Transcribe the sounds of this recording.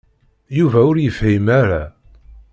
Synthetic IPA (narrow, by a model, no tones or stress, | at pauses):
juvæʊɾjəfhimæɾa